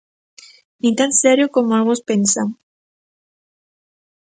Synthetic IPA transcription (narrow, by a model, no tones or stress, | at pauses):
nĩt̪ansɛɾjokomoalɣospensaŋ